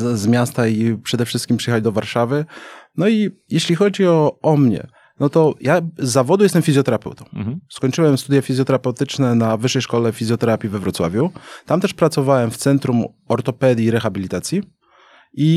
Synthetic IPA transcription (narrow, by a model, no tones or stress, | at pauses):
zmʲjast̪aipʂɛd̪ɛfʂɘst̪kʲimpʂɨ̥ɛxalʲd̪ɔvaɾʂavɘnɔi | jɛɕlʲixɔd͡ʑiɔɔmɲɛ̰ | nɔt̪ɔjazːavɔd̪ujɛst̪ɛmfʲizʲjɔt̪ɛɾapɛ̰wt̪ɔ̃w̃skɔɲt͡ʂɘwɛmst̪ud̪jafʲizʲjɔt̪ɛɾapɛwt̪ɘt͡ʂnɛnavɘʂːɛjʂkɔlɛfʲizʲjɔt̪ɛɾapʲjivɛvɾɔt̪swa̰vʲjut̪amt̪ɛʂpɾat̪sɔvawɛmft̪sɛnt̪ɾum | ɔɾt̪ɔpɛd̪ʲjiɾɛxabʲilʲit̪at̪sʲji | i